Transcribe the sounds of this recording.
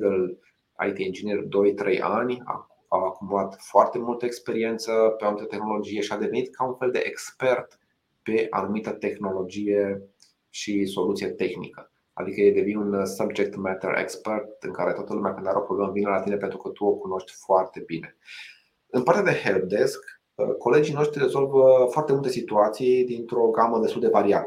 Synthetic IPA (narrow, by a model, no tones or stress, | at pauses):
ɡəl | a̰jt̪iind͡ʒinird̪o̞jt̪ɾʔejʔa̰nʲa̰ | akumbuat̪foart̪e̞mult̪əekspe̞ɾie̞nt̪səpeanumit̪ət̪exno̞lo̞d͡ʒije̞ʃiad̪e̞ve̞nit̪̚kʰaunfeld̪e̞̰ʔekspe̞rt̪ | pe̞ʔa̰numit̪ət̪e̞xno̞lo̞d͡ʒije̞ | ʃiso̞lut̪sijet̪e̞xnḭkə | a̰d̪ikəjed̪evinunsəbd͡ʒek̚t̪mɛt̪ḛɾḛkspert̪ɨŋkaɾe̞t̪wat̪əlumeakɨnd̪aɾəopɾo̞ɡlamvinəlat̪ine̞pe̞nt̪ɾukət̪uokuno̞ʃt̪ʲfoart̪e̞bine̞ | ɨnpaɾrt̪ead̪e̞hel̚d̪esk | əko̞le̞d͡ʒijno̞ʃt̪ɾirezo̞lvəfoart̪emult̪e̞sit̪uat̪sijd̪int̪ɾoɡaməd̪est̪uld̪e̞vaɾiat̪